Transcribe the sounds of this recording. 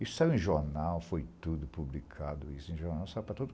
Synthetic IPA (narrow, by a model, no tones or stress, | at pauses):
isʊsajwẽʒoɾnawfojt̪ud̪ʊpublikʰad̪ʊisʊẽʒoɾnawsajupɾɐt̪od̪ʊ